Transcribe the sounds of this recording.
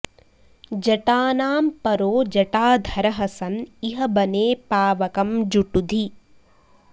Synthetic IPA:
d͡ʒɐʈaːnaːmpɐɾoːd͡ʒɐʈaːd̪ʱɐɾɐɦɐsɐniɦɐbɐneːpaːʋɐkɐmd͡ʒuʈud̪ʱi

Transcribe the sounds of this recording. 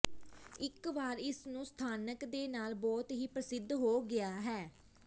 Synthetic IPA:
ɪkʋaːɾɪsnũːst̪ʰaːnəkd̪eːnaːlbɔːt̪ɦiːpɾəsɪd̪ːɦoːɡɪaːɦɛː

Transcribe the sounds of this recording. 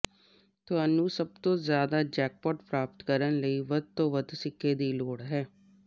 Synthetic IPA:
t̪ʊɦaːnũːsəb̚t̪õːzjaːd̪aːd͡ʒɛːk̚pɔːʈpɾaːpət̪kəɾənləiːʋəd̪̚t̪õːʋəd̪sɪkːeːd̪iːloːɽɦɛː

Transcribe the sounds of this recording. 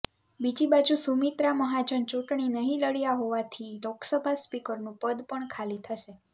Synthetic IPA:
bid͡ʒibad͡ʒusumit̪ɾaməɦad͡ʒənt͡ʃuʈɳinəɦĩləɽjaɦoʋat̪ʰiloksəbʱaspikəɾnũpəd̪pəɳkʰalit̪ʰəʃe

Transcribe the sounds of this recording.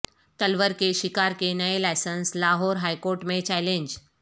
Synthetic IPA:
t̪əlʋəɾkeʃikaɾkenəelajsənslaɦɔːɾɦajkoːɾʈmẽt͡ɕɛlẽɲd͡ʑ

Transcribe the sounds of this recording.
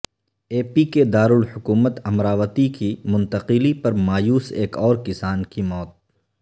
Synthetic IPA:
eːpiked̪aːɾʊlhʊkuːmət̪ɐmɾaːʋət̪ikimʊ̃nt̪əqɪlipɐɾmaːjuːseːkɔːɾkɪsaːnkimɔːt̪̚

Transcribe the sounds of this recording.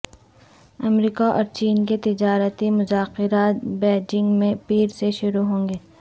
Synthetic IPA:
ɐmɾiːkaʔɔ̰ːɾt͡ʃiːnket̪ɪd͡ʒaːɾət̪imʊzaːxɪɾaːt̪̚bɛːd͡ʒɪ̃ŋɡmẽpiːɾseʃʊɾuɦõːŋɡeː

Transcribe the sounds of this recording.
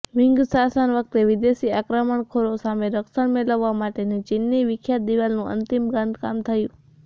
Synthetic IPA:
ʋɪŋɡsasənʋək̚t̪eʋid̪esiakɾəməɳkʰoɾosameɾəksəɳmeləʋːamaʈenet͡ʃɪnːiʋɪkʰjat̪̚d̪iʋalnũʔə̰nt̪imɡãnd̪kamt̪ʰəjũ

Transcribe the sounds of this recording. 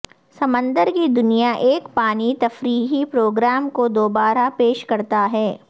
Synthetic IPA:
sɐmə̃nd̪əɾkid̪ʊnijaʔeːkpaːnit̪ɐfɾiːɦipɾoːɡɾaːmkod̪oːbaːɾapeːʃkɐɾt̪aɦɛː

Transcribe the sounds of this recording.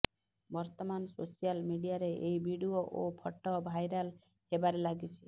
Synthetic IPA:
bɔɾt̪ɔmansosialmiɽijaɾeʔejbiɽioʔopʰɔʈːɔbʱajɾal | hebaɾelaɡit͡ʃʰi

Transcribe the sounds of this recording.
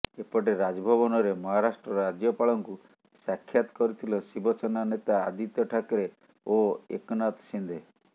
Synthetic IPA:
epɔʈeɾad͡ʒɔbʱɔbɔnɔɾemɔɦaɾasʈɾɔɾɔɾad͡ʒjɔpaɭɔŋku | sakʰːjat̪ɔ̥kɔɾit̪ʰilɔsibɔsʰɔnanet̪aːd̪it̪jɔʈʰakɔɾe | oḛkɔnat̪sind̪ʱe

